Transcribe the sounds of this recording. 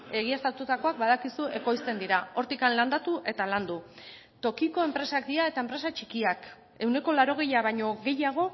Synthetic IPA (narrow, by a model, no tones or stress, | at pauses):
e̞ɣ̞iest̪at̪ut̪ako̞ak̚baðakisuʔe̞ko̞jst̪e̞nd̪iɾao̞ɾt̪ikanland̪at̪uʔe̞t̪aland̪u | t̪o̞kiko̞e̞mpɾe̞sakd̪iae̞t̪ae̞mpɾe̞sat͡ʃikiak | e̞wne̞ko̞laɾo̞ɣ̞e̞jaβajɲo̞ɣe̞jaɣ̞o̞